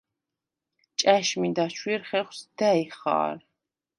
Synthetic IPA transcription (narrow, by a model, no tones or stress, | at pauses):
t͡ʃʼaʃmid̪at͡ʃʰwiɾχɛχwsd̪aiχa̰ːɾ